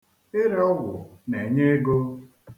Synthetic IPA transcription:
ɪ˦ɾe˦ɔ˦wʷʊ˨ne˨ɲe˦e˦ɡo˦

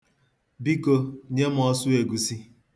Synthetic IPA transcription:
bi˦ko˦ɲe˦m̩˦ɔ˦sʊ˦e˨ɡu˨si˦

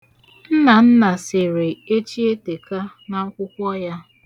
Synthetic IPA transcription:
n̩˦na˨n̩˦na˨sɪ˨ɾe˨e˦t͡ʃi˦e˦te˨ka˦ | na˨˦kʷʊ˦kʷɔ˦ja˦

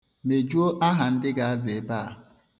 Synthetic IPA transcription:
me˨d͡ʒu˦o˦ʔa˦ɦa˨n̩˦dɪ˦ɡa˨a˦zɪ˨ba˦˨

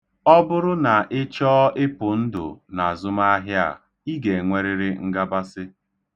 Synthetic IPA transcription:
ɔ˦bʊ˦ɾʊ˦na˨ʔɪ˦t͡ʃɔː˦ʔɪ˦pʊ˨n̩˦dʊ̰˨na˨zʊ˦ma˦ɦja̰˨ | i˦ɡe˨ŋʷe˦ɾɪ˦ɾɪ˦ŋ̩˦ɡa˦ba˦sɪ˦

